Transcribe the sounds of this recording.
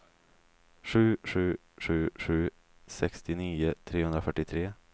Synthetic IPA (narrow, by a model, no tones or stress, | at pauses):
ɧʉ̟ːɧʉ̟ː | ɧʉ̟ːɧʉ̟ː | sɛkst̪ɪniːʊt̪ʰɾeːhɵnd̪ɾafœʈːɪt̪ʰɾeː